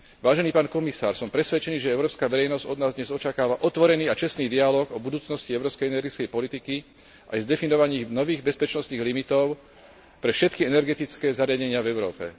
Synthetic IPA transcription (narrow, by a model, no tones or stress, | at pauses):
ʋaːʒɛniːpaːnkɔmisa̰ːɾsɔmpɾɛsʋɛt͡ʃɛniːʒɛɛʊɾɔːpskaːʋɛɾɛjnɔzɟɔd̪naːzd̪ɲɛzɔt͡ʃakaːʋaʔɔt̪ʋɔɾɛniːat͡ʃɛsniːd̪ialɔːɡɔbud̪uːt͡snɔsciɛʊɾɔːpskɛjɛnɛɾɡit͡skɛjpɔlit̪iki | ʔa̰jzd̪ɛfinɔʋaɲiːɣnɔʋiːɣbɛspɛt͡ʃnɔsniːɣlimit̪ɔʊ | pɾɛfʃɛt̪kiɛnɛɾɡɛt̪it͡skɛːzaɾɪaɟɛɲɪavɛʊɾɔːpɛ̰